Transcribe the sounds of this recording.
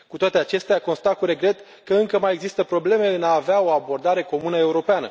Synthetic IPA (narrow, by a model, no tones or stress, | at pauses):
kut̪oat̪e̞at͡ʃe̞st̪eako̞nst̪akuɾe̞ɡɾe̞t̪ | kəɨŋkəmaje̞ɡzist̪əpɾo̞ble̞me̞ɨnaːveao̞abo̞rd̪aɾe̞ko̞munəe̞uɾo̞peanə̰